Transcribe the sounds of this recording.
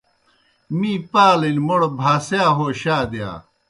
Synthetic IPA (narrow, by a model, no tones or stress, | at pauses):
miːpaːlenʲmoɽobʱaːsjaːɦoːɕaːd̪ja̰ː